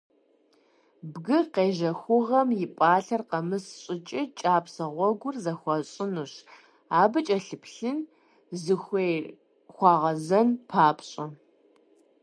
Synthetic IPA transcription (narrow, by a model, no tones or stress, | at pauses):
bɡɨqeːʒɐxʷʊʁɐmjɪpʼaːɬɐrqɐmɨsɕʼɪt͡ʃʼɪt͡ʃʼaːpʰsɐʁʷɔɡʷʊrzɐxʷɔɕʼɪnuɕ | aːbɨt͡ʃʼɐɬɨpʰɬɨn | zɨxʷej | xʷɑːʁɐzɐnpʰaːpʰɕʼɐ